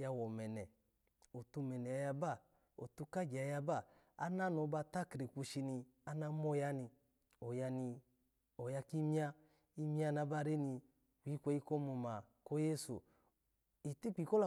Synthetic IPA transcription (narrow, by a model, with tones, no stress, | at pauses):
ja˧wɔ˨mɛ˨nɛ˨ | o˨tu˧mɛ˨nɛ˨a˨˧˦ja˧ba˦˨ | o̰˨tu˧ka˦d͡ʒa˧ja˧ba˦˨ | a̰˦na˦nɔ˨˧˦ba˧ta˦kɾi˨ku˧ʃi˧ni˧ | a˦na˦mɔ˦ja˦ni˧ | ɔ˨ja˧ni˧ | ɔ˨ja˧ki˦mi˦a˧ | i˦mi˦a˧na˧˦ba˦˨ɾe˦ni˧ | wi˨˦kʷɛ˧˦i˧˦kɔ˦mu˧ma˨ | kɔ˦je˦sṵ˨ | i˨ti˦k͡pi˨˧kɔ˦la˨˦